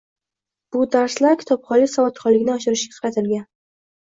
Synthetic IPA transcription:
b̥ʊd̪aɾslaɾkʲʰɪ̥t̪ʰɒpχɒlɪkʲsavɒt̪χɒlɪkʲnɪɒʃɪɾɪʃɡʲḁqʰɾɑt̪ʰɪlɡʲan

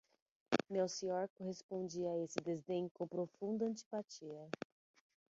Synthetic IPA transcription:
mewsĩɲɔɾkoɦespõnd͡ʒiɐaesɪd̪ezd̪ẽɲʊkõpɾofũnd̪ɐɐ̃nt͡ʃi̥pat͡ʃiɐ

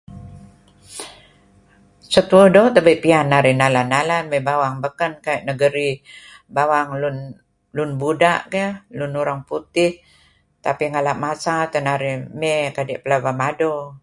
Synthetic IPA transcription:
sət̪uədot̪əbəpianːaɾihnalanːalanmɛbawaŋbəkənkajʔnəɡəɾibawaŋlun | lʊnbudaʔkɛlʊnuɾaŋput̪ɪh | t̪apiŋalaʔmasat̪ənaɾɪhmɛkadɛʔpəlabamado

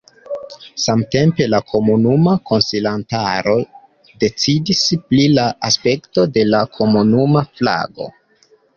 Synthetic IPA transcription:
samte̞mpe̞lakʰo̞munumako̞nsilantaɾo̞ | de̞t͡sidisplilaaspe̞kto̞de̞lakʰo̞munumafla̰ɡo̞̰

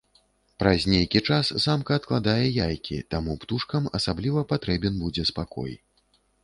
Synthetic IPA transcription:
pɾɐzʲnʲejkʲit͡ʂaszamkɐːt̪̚klˠad̪ajɛjajkʲḭt̪amupt̪uʂkɐmɐsablʲivɐpat̪ɾɛbʲɛnbud͡zʲɛspakɔ̰j

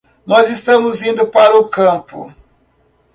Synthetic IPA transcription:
nɔzɪst̪ɐ̃mʊzĩnd̪ʊpaɾɐʊkɐ̃pʊ̰

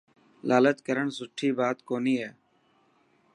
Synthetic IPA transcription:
laːlət̪kəɾəɳsʊʈʰːiːbaːt̪koːniːɦɛː

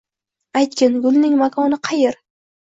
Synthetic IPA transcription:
ajt̪̚kʲɪnɡʊlˠnɪŋmakʰɒnɪqʰɑjeɾ

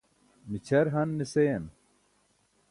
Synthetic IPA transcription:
mit͡ɕʰɐɾɦɐnːisejɐn

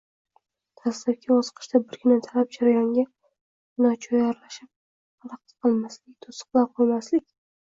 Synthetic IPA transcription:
t̪ʰaslapkʲʰɪɒzqʰɨ̥ʃt̪abɪɾkʲʰɪnat̪ʰalap̚d͡ʒaɾajɒŋɡʲa | nɒt͡ʃʰɒjaɾlaʃɪp̚ | alɑq̚t̪qʰɨlˠmaslɪk̚ʲt̪ʰosɨ̥qlˠaɾqʰɨlˠmaslɪkʲ

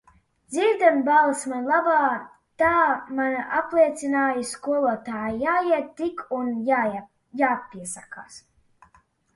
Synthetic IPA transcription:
d̪ziɾd̪ambalˠsmanlˠabaː | t̪aːmanaʔaplˠiɛt̪sinaːjiskuɔlˠuɔt̪aːjijaːjiɛt̪̚t̪ːikʰunja | jaːpiɛsaka̰ːs

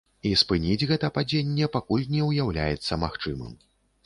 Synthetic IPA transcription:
ispɨnʲid͡zʲɣɛt̪ɐpad͡zʲenʲːɛpakulʲnʲɛwjawlʲa̰jɛt̪sːɐmaxt͡ʂɨmɨ̰m

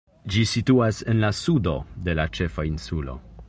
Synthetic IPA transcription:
d͡ʒisituase̞nlasudo̞̰de̞lat͡ʃe̞fainsulo̞̰

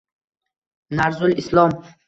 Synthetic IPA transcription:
naɾzulislɔm

